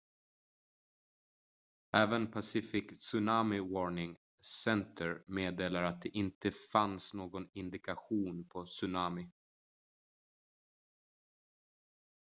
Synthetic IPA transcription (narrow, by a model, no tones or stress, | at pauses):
æːvənpʰasɪfɪksɵnamɪwɔɳɪŋ | sɛnt̪ʰəɾmeːd̪eːlaɾat̪̚d̪ɛʔɪnt̪əfansnoːɡɔnɪnd̪ɪkaɧuːnpʰɔsɵnaːmɪ